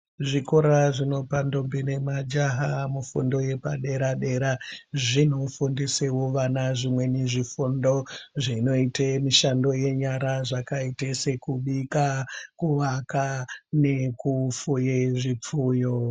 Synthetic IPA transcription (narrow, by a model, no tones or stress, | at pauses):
ʐikoɾaʐino̞pando̞mbine̞mad͡ʒaɦamufṵndo̞je̞paɗe̞ɾaɗe̞ɾaʐino̞fundisewoʋanaʐimwe̞niʐifundo̞ʐino̞itemiʃando̞je̞ɲaɾaʐakaitese̞kuɓikakuʋakane̞kufujeʐip͡fuːjo